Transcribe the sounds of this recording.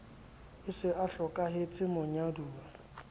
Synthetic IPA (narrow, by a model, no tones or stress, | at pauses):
ɪsɪʔaɬɔkʼaɦɪt͡sʼɪmʊɲaduːa